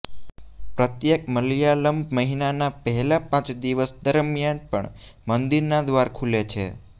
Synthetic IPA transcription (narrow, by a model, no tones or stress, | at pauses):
pɾət̪jek̚məljaləmbməɦinanapəɦɛlapãt͡ʃd̪iʋəsd̪əɾmjanpə̰ɳ | mənd̪iɾnad̪ʋaɾkʰulet͡ʃʰḛ